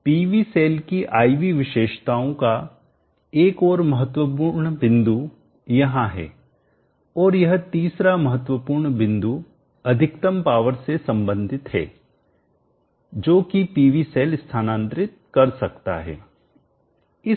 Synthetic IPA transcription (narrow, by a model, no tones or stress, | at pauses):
piːʋiseːlkiʔaːiʋiʋɪʃeːʃt̪aːõka | eːkɔːɾmɐɦət̪wəpuːɾɳbɪ̃nd̪u | jɐɦãɦɛ̰ː | ɔːɾjɐɦt̪iːsɾamɐɦət̪wəpuːɾɳbɪ̃nd̪u | ɐd̪ʱɪkt̪əmpaːʋəɾsesɐ̃mbə̃nd̪ʱɪt̪ɦɛ̰ː | d͡ʒoːkipiːʋiseːlɪst̪ʰaːnãːnt̪ɾɪt̪̚kɐɾsɐkt̪a̰ɦɛ̰ː | ɪ